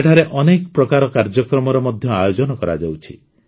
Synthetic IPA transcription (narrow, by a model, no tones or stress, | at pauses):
eʈʰaɾeʔɔnekɔpɾɔkaɾɔkaɾd͡ʒɔkɾɔmɔɾɔmɔd̪ʱjɔajod͡ʒɔnɔkɔɾa̰d͡ʒawt͡ʃʰḭ